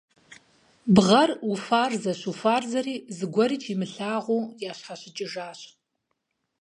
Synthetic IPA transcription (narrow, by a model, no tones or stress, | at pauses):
bʁɐrufaːrzɐɕufaːrzɐriːzɨɡʷɔɾiːt͡ʃʰimɨɬaːʁʷuːjaːɕħaɕɪt͡ʃʼɪʒaːɕ